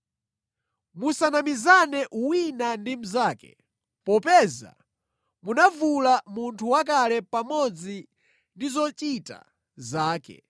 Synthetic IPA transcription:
musanamizanɛʔuwinandim̩zaːkɛ̰ | pɔpɛza̰ | munavulamuntʰuwak̬alɛpamɔd͡zi | ndizɔt͡ʃita̰ | zaːkɛ̰

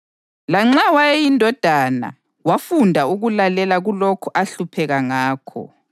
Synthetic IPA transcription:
laŋ͡ǁawajejindʱɔd̥ʱana̰ | wafundʱauɣulalɛlaɣulokʰuʔaɬupʰɛɣaŋaːkʰɔ̰

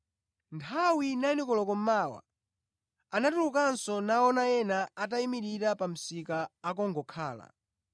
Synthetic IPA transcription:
ntʰawinaɛnɛkɔlɔkɔm̩maːwa̰ | anatulukansɔnaɔnajɛnaataimiɾiɾapam̩sikaːkɔŋɡɔkʰaːla̰

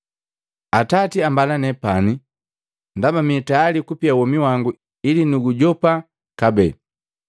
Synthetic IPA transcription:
atatiambalanɛpani | ndamamitaalikupiawɔmiwaŋɡu | ilinuɡuɟɔpa | kabɛ

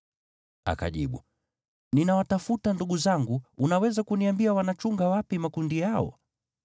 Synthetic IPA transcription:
a̰ka̰ʄiɓu | ninawatafutanduɠuzaŋɡuunawɛzakuniambiawanat͡ʃuŋɡawapimakundijaɔ̰

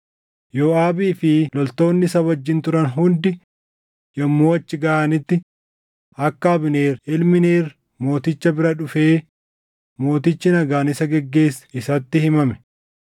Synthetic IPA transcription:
joːaːbiːfɪlɔlt̪o̞ːnːɪsɐbɐd͡ʒːɪnt̪ʊɾɐnɦʊnd̪ɪ | jɐmːoːwɐt͡ʃːɪɡɐʔaːnɪt̪ːɪ | ɐkːɐːbɪne̞ːɾɪlmɪne̞ːr | mo̞ːt̪ɪt͡ʃːɐbɪɾɐᶑʊfe̞ː | mo̞ːt̪ɪt͡ʃːɪnɐɡaːnɪsɐɡɛɡːe̞ːsɪsɐt̪ːɪhɪmɐmɛ̥

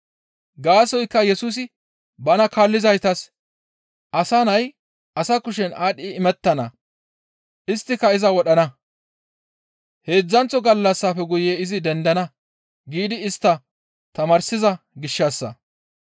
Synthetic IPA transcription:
ɡaːsɔjkːɐjɛsuːs̬ɪ | bɐnɐkaːlːɪzɐjt̪ɐs | ʔɐsɐnɐj | ʔɐsɐkʊʃ̬ɛnʔaːɗɪːmɛt̪ːɐnɐ | ʔɪst̪ːɪkːɐɪzɐwɔɗɐnɐ | he̞ːd͡zːɐnt͡sːɔɡɐlːɐsːaːfɛɡʊjeːɪzɪd̪ɛnd̪ɐnɐ | ɡiːd̪ɪɪst̪ːɐ | t̪ɐmaːɾsɪzɐ | ɡɪʃːɐsːɐ̰

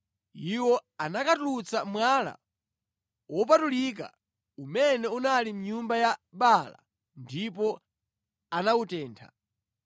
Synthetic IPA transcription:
iwɔanakatulut͡samwala̰ | wɔp̬atulik̬a̰ | umɛnɛunalim̩ɲumbajaɓala̰ | ndipɔ | anawutɛːntʰa̰

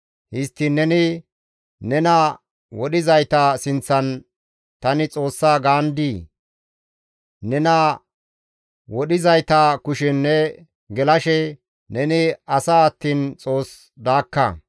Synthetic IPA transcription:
hɪst̪ːɪnːɛnɪ | nɛnɐ | wɔɗɪzɐjt̪ɐsɪnt͡sːɐn | t̪ɐnɪt͡sʼo̞ːsːaːɡaːnd̪iː | nɛnɐ | wɔɗɪzɐjt̪akʊʃɛnːɛ | ɡɛlɐʃɛ | nɛnɪɐsaːɐt̪ːiːnt͡sʼo̞ːs | d̪aːkːɐ̰

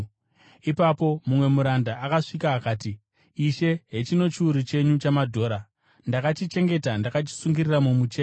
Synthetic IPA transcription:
ipapo̞mumwe̞muɾandaʔːkaʂikaːkaːti | iʃe̞ɦe̞t͡ʃino̞t͡ʃiuɾit͡ʃe̞ɲut͡ʃamadʱo̞ːɾa | ndakat͡ʃit͡ʃe̞ŋɡe̞tandakat͡ʃi̥suŋɡiriramumut͡ʃe

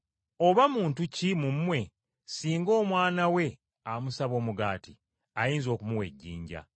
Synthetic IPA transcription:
o̞βamuːntucimumːwe̞ | siːŋɡo̞ːmwaːnawe̞ | amusaβo̞ːmuɡaːti | ajiːnzo̞ːkumuwe̞̰ɟːḭːɲɟa̰

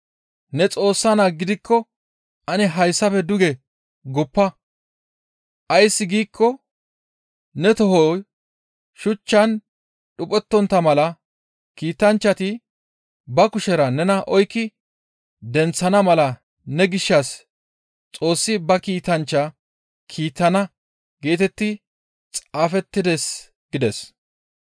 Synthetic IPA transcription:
nɛt͡sʼo̞ːsːɐnaɡɪd̪ɪkːɔ | ʔɐnɛɦɐjsːɐfɛd̪ʊɡɛ | ɡʊpːɐ | ʔɐjsːɪɡiːkʰːɔ | nɛt̪ɔhɔ | ʃʊt͡ʃːɐn | ɗʊpʼɛt̪ːɔnt̪ːɐmɐlɐ | kiːt̪ɐnt͡ʃːɐt̪ɪ | bɐkʊʃɛɾɐnɛnɐʔɔjkːɪ | d̪ɛnt͡sːɐnɐmɐlɐ | nɛɡɪʃːɐs | t͡sʼo̞ːsːɪbɐkiːt̪ɐnt͡ʃːɐ | kʰiːt̪ːɐnɐ | ɡ̥e̞ːt̪ɛt̪ːɪ | t͡sʼaːfɛt̪ːɪd̪es | ɡ̥ɪd̪ɛs

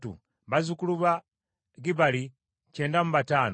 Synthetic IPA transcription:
tṵ | βazukuluβa | ɡiβali | ceːndamuβataːn

